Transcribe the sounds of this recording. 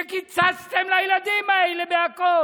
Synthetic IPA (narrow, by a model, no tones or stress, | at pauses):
kit͡sast̪amlailad̪imailebeako